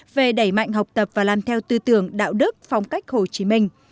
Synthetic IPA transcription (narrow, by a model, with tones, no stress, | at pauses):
ve˨˩ɗə˧˩jma̰˧˨jŋ̟ɦa˨˩wk͡p̚t̪ə˨˩p̚vaː˨˩laː˨˩mt̪ʰɛ˧wt̪ɨ˧t̪ɨ˧˩əŋɗa̰ː˧˨wɗɨ˦˥k̚fa˧wŋ͡mka˦˥jk̟̚ho˨˩t͡ɕi˨˦mï˧ŋ̟